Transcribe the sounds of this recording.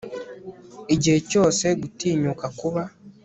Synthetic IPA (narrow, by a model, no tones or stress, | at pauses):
iɟecoːseɡutiːɲokakuβa